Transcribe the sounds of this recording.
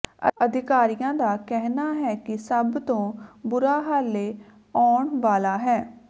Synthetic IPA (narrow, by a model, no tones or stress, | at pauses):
ə̰əd̪ʱɪkaːɾijãːd̪aːkɛɦnaːɦɛːkɪsəbt̪õːbʊɾaːɦaːleː | ɔːɳʋaːlaːɦɛː